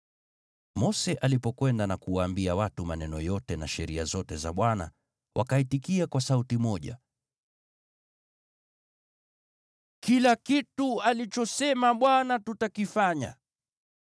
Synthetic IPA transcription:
mɔsɛʔalipɔkwɛndanakuwaːmbiawatumanɛnɔjɔtɛnaʃɛɾiazɔtɛza̰ɓwana̰ | wʔakaitikiakwasautimɔʄa̰ | kilakitualit͡ʃɔsɛmaɓwanatutakifaɲa̰

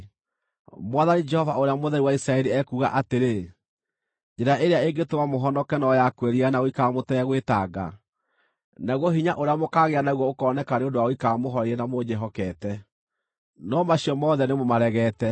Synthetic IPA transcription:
mwaðanid͡ʒɛhɔvaoɾeamoðɛɾiwaisɾaɛɾiɛkuːɣa̰ʔateɾe | d͡ʒɛɾaʔeɾeaeŋɡetomamoɦɔnɔkɛnɔjakwɛɾianaɣoikamotɛɣwetaɡa̰ | naɣwɔɦiɲaʔoɾeamokaːɣeanaɣuwɔokɔnɛkaneondowaoikamoɦɔɾeɾɛnamod͡ʒɛɦɔkɛtɛ | nɔmaɕiɔmɔðɛnemomaɾɛɣɛːtɛ

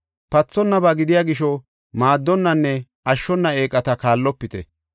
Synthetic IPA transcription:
pɐt͡sːɔnːɐbɐɡɪd̪ɪjaːɡɪʃɔ | maːd̪ːɔnːɐnːɛ | ɐʃːɔnːɐe̞ːkʼːɐt̪ɐkaːlːɔpːɪt̪ɛ̰

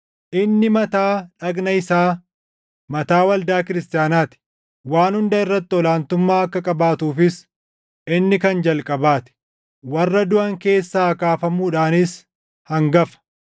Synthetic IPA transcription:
ʔɪnːɪmɐt̪aːᶑɐɡnɐɪsaː | mɐt̪aːwɐld̪aːkɪɾɪst̪ɪjaːnaːt̪ɪ̥ | waːnhʊnd̪ɐɪrːɐt̪ːɪɔlaːnt̪ʊmːaːɐkːɐkʼɐbaːt̪uːfɪs | ʔɪnːɪkɐnd͡ʒɐlkʼɐbaːt̪ɪ̥ | wɐrːɐd̪ʊʔɐŋke̞ːsːaːɐkaːfɐmuːᶑaːnɪs | hɐŋɡɐfɐ̥

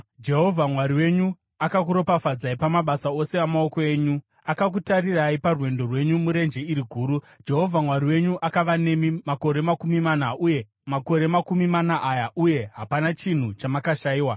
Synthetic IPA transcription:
d͡ʒe̞ɦo̞vʱamwaɾiwe̞ɲu | akak̬uɾo̞pafad͡zaipamaɓasao̞se̞amaoko̞e̞ːɲu | akak̬utariraiparwe̞ndo̞rwe̞ɲumuɾe̞nd͡ʒe̞iɾiɡʱuːɾu | d͡ʒe̞ɦo̞vʱamwariwe̞ɲuʔakaʋane̞mimako̞ɾe̞makumimanauje̞ | mako̞ɾe̞makumimanaʔajaʔuje̞ɦapanat͡ʃin̤ut͡ʃamakaʃaiːwa

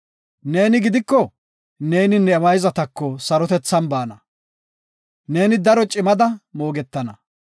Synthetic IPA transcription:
ne̞ːnɪɡɪd̪ɪkːɔ | ne̞ːnɪnːɛːmɐjzɐt̪ɐkːɔsɐɾɔt̪ɛt͡sːɐnbaːnɐ | ne̞ːnɪd̪ɐɾɔt͡ʃʼɪmɐd̪ɐmo̞ːɡɛt̪ːɐnɐ

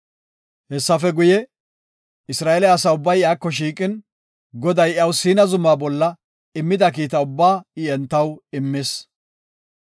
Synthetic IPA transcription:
hɛsːɐfɛɡʊjɛ | ɪsɾaːɛlɛɐsɐʊbːɐjɪjaːkːɔʃ̬iːkʼɪn | ɡɔd̪ɐjɐwsiːnɐzʊmːaːbɔlːɐ | ɪmːɪd̪ɐk̬iːt̪ɐʊbːaːɪɛnt̪ːɐwɪmːeːs

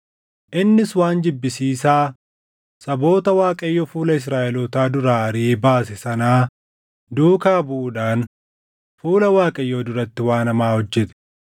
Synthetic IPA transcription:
ʔɪnːɪswaːnd͡ʒɪbːɪsiːsaː | sɐbo̞ːt̪ɐwaːkʼɐjːɔfuːlɐɪs̬ɾaːʔɛlot̪aːd̪ʊɾaːɐɾiːbaːsɛsɐnaː | d̪uːkaːbʊʔʊᶑaːn | fuːlɐwaːkʼɐjːoːd̪ʊɾɐt̪ːɪwaːnɐmaːhɔd͡ʒːɛt̪ɪ̥

